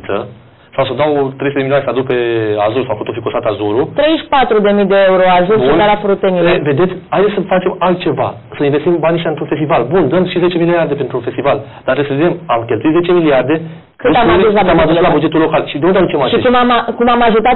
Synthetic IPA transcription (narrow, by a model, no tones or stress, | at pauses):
t̪sə̰ | sawsəod̪awt̪ɾesuteemileoanesad̪uk̚peazuɾusawfot̪ofikost̪at̪azuɾut̪ɾejʃpat̪ɾud̪e̞mid̪eeuɾoazuɾnaɾapɾut̪enieve̞d̪et̪sʲajd̪esʲsəfat͡ʃe̞malt̪̚t͡ʃe̞va̰ | səinvest̪imbaniʃʲaɨnt̪ɾunfe̞st̪ivalbund̪əmʃize̞t͡ʃe̞miliard̪e̞pent̪ɾunfest̪ivald̪̥aɾt̪ɾesəved̪emamkʲelt̪uit̪zet͡ʃeemiliard̪e̞ | kɨamusslaamad̪uslabud͡ʒe̞t̪ulo̞kalʃid̪eõund̪ad̪ut͡ʃemaʃiekumamkumamaʒut̪at̪